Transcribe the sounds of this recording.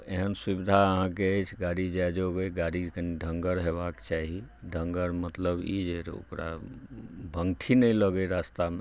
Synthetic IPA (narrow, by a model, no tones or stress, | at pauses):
eɦənswubid̪ʱaəɦãk̬eəjt͡ʃʰɡaɾid͡ʒajd͡ʒoɡəɡaɽikəniɖʱəŋɡəɾɦebakt͡ʃaɦiɖʱəŋɡəɾmət̪ləbḭd͡ʒeɾo̰kɾa̰ | bʱə̃ŋʈʰinəjləɡəɾast̪ame